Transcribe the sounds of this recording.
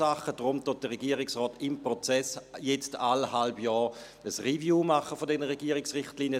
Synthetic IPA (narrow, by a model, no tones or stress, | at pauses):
aχəd̥ʁʊmtʊt̚d̥əʁɛɡiːəʁɪksʁɔːtɪmpʁɔt͡sɛsjɛt͡stalhalbjɔː | əsʁivjuːmaχəfodɛnəʁɛɡiːəʁɪksʁɪχtliːnjə